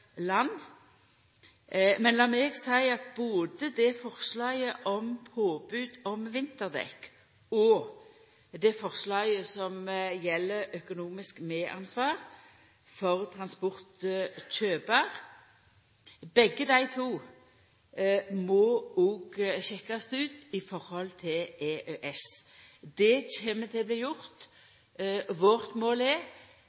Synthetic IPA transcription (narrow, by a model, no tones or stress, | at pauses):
lɑnː | mɛnlɑːmɛːɡsæɪɑt̪̚boːd̪əd̪ɛfɔʁslɑːɡəʔɔmpʰoːbʉːd̪ɔmʋɪnt̪əʁd̪ɛ̰k | ɔ | d̪ɛfɔʁʂlɑːɡəsɔmjɛlːəɾœkʊnuːmɪskmeːʔɑ̰nsʋɑːʁ | fɔʁt̪ʰɾɑnspɔʁt̪t͡ʃøːpəʁ | bɛɡːəd̪æɪt̪ʰuː | mɔɔːɡɕɛkːɑst̪ʉːt̪ɪfɔɾhɔlt̪ʰɪleːʔøːʔɛsd̪ɛt͡ʃeːmət̪ʰɪbliːjʊɾt̪ | ʋɔʁt̪moːlɛ